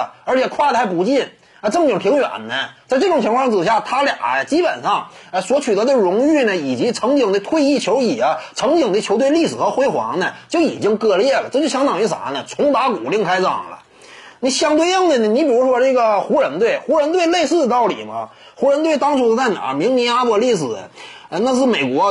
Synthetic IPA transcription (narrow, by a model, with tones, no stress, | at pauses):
ə˞˧˥t͡ɕʰɛ˨˩kʰwa˥˩ə˩a˥˩ɪp̬u˧˥t͡ɕi˥˩n | ə˧ʈ͡ʂɤ˥˩ŋt͡ɕi˨˩pʰi˧˥ŋɥɛ̰˨˩nnə˦t͡sa˥˧ɪʈ͡ʂɤ˥˩ʈ͡ʂʊ˨˩ŋt͡ɕʰkʰwɑ˥˧˥t͡sɹ̩˨˩ɕja˥˩t̪ʰa˥lj̰t͡ɕi˥pə˨˩nʂɑ˥˩ŋə˧swɔ˧˥t͡ɕʰy˨˩t̪ɤ˧˥d̪ə˧ɻʊ˧˥ŋy˥˩nə˩i˨˩t͡ɕi˧˥ʈ͡ʂʰɤ˧˥ŋt͡ɕi˨˩ŋd̪ə˧˩t̪ʰwe˥˧ɪi˥˩t͡ɕʰjo˧˥ʊi˨˩ɐ˦ʈ͡ʂʰɤ˧˥ŋt͡ɕi˨˩ŋd̪ə˦˩t͡ɕʰjo˧˥ʊt̪we˥˧ɪli˥˩ʂɻ̩˨˩xɤ˧˥xwe˥ɪxwɑ̰˧˥ŋnə˧t͡ɕjo˥˩ʊḭ˨˩t͡ɕi˥ŋkɤ˥˧ljɛ˥˩lə˩ʈ͡ʂɤ˥˧˩t͡ɕjɕjɑ˥ŋt̪ɑ˨˩ŋy˧˥˩sa̰˨˧˥nnə˧t͡sʰʊ˧˥ŋt̪a˧˥ku˨˩li˥˩˧ŋkʰa˥ɪʈ͡ʂɑ̰˨˩ŋlə̰˦ | ni˧˩ɕjɑ˥˧ŋt̪we˥˧ɪɤ˥˧ŋsə˧˩nə˩ni˧˥pi˨˩ɻu˧˥ʂwɔ˥ʈ͡ʂɤ˥˩ɡə˩xu˧˥ɻə˧˥nt̪we˥˩ɪxu˧˥ɻə˧˥nt̪̬we˥˧ɪle˥˧ɪsɹ̩˥˩d̪ə˩t̪ɑ˥˩ʊlḭ˨˩mɐ̰˦ | xu˧˥ɻə˧˥nt̪we˥˩ɪt̪ɑ˥ŋʈ͡ʂʰu˥d̪ə˧t͡sa˥˩ɪna̰˨˧˩mi˧˥ŋni˧˥a˥pɔ˧˩li˥˩ʂɹ̩˨˩ | ə˧na˥˧ʂ̬ɻ̩˥˩me˨˩ɪkwɔ˧˥